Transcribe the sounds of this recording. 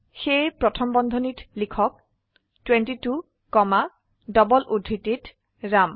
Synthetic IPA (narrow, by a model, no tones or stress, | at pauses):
xejpɹɔtʰɔmbɔnd̪ʱɔnitlikʰɔk̚ | twentitu | kɔma | dɔbɔlʔudʱːitit | ɹam